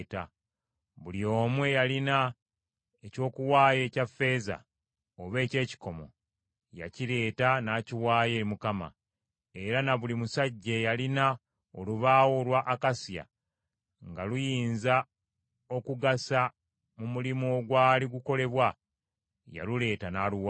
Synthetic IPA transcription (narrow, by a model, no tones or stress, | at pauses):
ta̰ | βulio̞ːmwe̞jalina | eco̞ːkuwaːje̞ːcafːe̞ːza̰ | oβe̞ːce̞ːci̥ko̞mo̞̰ | ja̰ciɾe̞ːtanaːciwaːje̞ːɾimukama̰ | e̞ɾanaβulimusaɟːejalina | oluβaːwo̞lwaʔːkasja̰ | ŋɡalujiːnza | o̞kuɡasa | mumulimoɡwaːliɡuko̞le̞βwa | ja̰lule̞ːtanaːluwa